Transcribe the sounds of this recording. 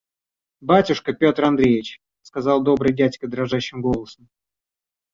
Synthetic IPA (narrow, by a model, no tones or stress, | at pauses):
batʲʊʂkəpʲo̞t̪rɐnd̪ɾʲejʲɪt͡ɕ | skɐzɑlˠd̪o̞bɾɨjdʲætʲkəd̪ɾɐʐaɕːɪmɡo̞lˠəsəm